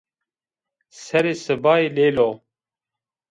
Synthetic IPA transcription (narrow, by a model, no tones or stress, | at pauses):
sɛɾeːsɨbaːeleːlo